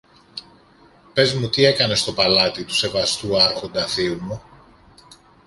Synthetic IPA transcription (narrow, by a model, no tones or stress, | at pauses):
pe̞zmut̪ie̞kɐne̞st̪o̞pɐlɐt̪it̪u̥se̞vɐst̪uɐɾxo̞nd̪ɐθiumo